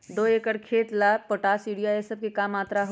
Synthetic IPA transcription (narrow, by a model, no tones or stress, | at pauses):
d̪oːeːkəɽkʰeːt̪laːpoʈaːsiːɽijaesɐb̚kekaːmaːt̪ɾaɦo